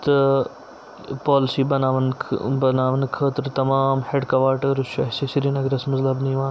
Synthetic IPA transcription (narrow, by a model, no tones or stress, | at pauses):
t̪ɐ | pɔːlɪsiːbɐnaːʋənbɐnaːʋənkʰɐːt̪ɾt̪ɐmaːmheɖkɐʋaːɾʈɐɾʊʃɐsesiɾinɐɡɾɐsmɐzlɐbnĩʋãː